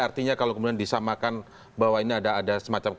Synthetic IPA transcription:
art̪iɲakalakəmudiandisamakan | bawainiadaːdasəmat͡ʃamk

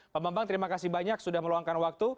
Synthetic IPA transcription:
bambambaŋt̪əɾimakasibaɲaksudahməluaŋkanwak̚t̪u

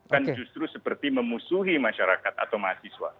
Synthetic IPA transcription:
kand͡ʒust̪ɾusəpərt̪iməmusuɦimaʃaɾakat̪a̰t̪awmaɦasiswa̰

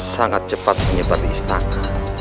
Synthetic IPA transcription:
saŋat̪̚t͡ʃəpat̪̚məɲəbat̪iist̪ana

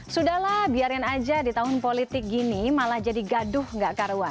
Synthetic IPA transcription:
sudahlahbiaɾkanad͡ʒadit̪aɦʊnpolit̪ɪk̚ɡinimalahd͡ʒadiɡadʊhŋɡaʔkaɾwan

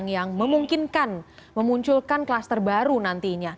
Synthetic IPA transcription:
ŋjaŋməmuŋkinkanməmuɲt͡ʃʊlkanklast̪ərbaɾunant̪iɲa

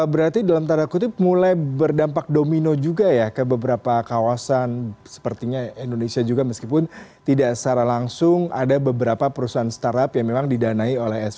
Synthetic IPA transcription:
bəɾart̪idalamt̪aɾakut̪ɪpmulajbərdampak̚dominod͡ʒuɡajakəbəbəɾapakawasansə̥pərt̪iɲaindonesiad͡ʒuɡaməskipʊnt̪idaʔt͡ʃaɾalaŋsʊŋa̰dabəbəɾapapəɾusaɦanst̪aɾapjaŋmemaŋdidanaiolɛɦɛs

